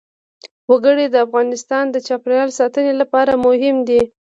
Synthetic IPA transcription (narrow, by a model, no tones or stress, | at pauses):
waɡəɽid̪əafɣɑnɪst̪ɑnd̪ət͡ʃɑpɾjɑlsɑt̪ənelapɑɾamʊhɪmd̪i